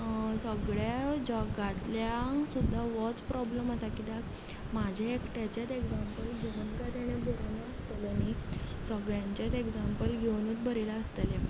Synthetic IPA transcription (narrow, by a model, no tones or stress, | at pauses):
səɡɭjad͡ʑɔɡat̪ljasud̪ʱːaʋɔt͡spɾɔbləməsakid̪ak | mad͡ʑʱaekʈjat͡ɕjat̪eɡd͡zampəlɡʱeʋənkat̪aɽ̃jebʱoɾnaəst̪ələni | səɡɭjaɲt͡ɕjat̪eɡd͡zampəlɡʱewnut̪̚bʱəɾelaəst̪əle